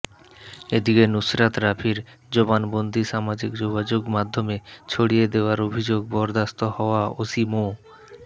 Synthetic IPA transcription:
ed̪ikenusɾat̪ɾapʰiɾ | d͡ʑobanbond̪ʱiʃamad͡ʑikd͡ʑoɡad͡ʑoɡmad̪ʱːomet͡ɕʰoɽied̪eoaɾobʱid͡ʑoɡ̚bɔɾd̪ast̪ohɔoaosimo

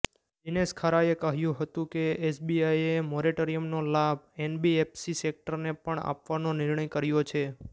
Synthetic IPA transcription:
d͡ʒineskʰaɾaekəɦjũɦət̪ũkeesbiaiemoɾiʈoɾijəmnolabenbiepsisek̚ʈəɾnepəɳa̰pʋanonɪɾɳəjkəɾjot͡ʃʰe

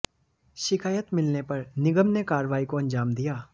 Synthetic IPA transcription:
ʃɪkaːjət̪mɪlnepɐɾnɪɡəmnekaːɾʋaːikoɐ̃nd͡ʒaːmd̪ijaː

